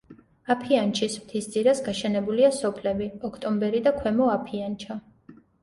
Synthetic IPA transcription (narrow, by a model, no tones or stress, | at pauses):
apʰiant͡ʃʰismt̪ʰisd̪zʼiɾasɡaʃɛnɛbuliasɔpʰlɛbiɔkʰt̪ʼɔmbɛɾid̪akʰwɛmɔapʰiant͡ʃʰa